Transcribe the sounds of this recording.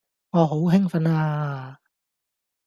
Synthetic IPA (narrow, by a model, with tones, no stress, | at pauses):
ŋɔː˨˧ɦo˨˥wɦɪ˥ŋfɐ˨˥naː˧